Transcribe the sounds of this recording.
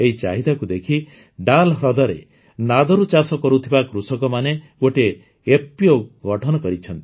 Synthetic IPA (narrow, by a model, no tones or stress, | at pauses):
eɦit͡ʃaɦid̪akud̪ekʰi | ɖalɦɾɔd̪ɔɾḛ | nad̪ɔɾut͡ʃasɔkɔɾut̪ʰibakɾusɔkɔmaneɡoʈeː | pːjoɡɔʈʰɔnɔkɔɾit͡ʃʰɔnt̪i